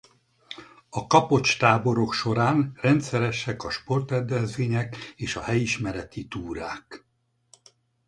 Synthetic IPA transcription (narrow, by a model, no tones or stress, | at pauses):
ɒkɒpo̞t͡ʃt̪aːbo̞ɾo̞kʃo̞ɾaːnrɛnt̪sɛɾɛʃɛkɒʃpo̞rt̪ɛd̪ɛzʋeːɲɛkeːʃɒhɛjiʃmɛɾɛt̪it̪uːɾaːk